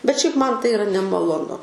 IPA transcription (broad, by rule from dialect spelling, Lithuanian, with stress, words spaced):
bʲɛt ʃʲɛɪp ˈmɐn ˈtɐɪ ɪˈrɐ nʲɛmɐlˠoːˈnʊ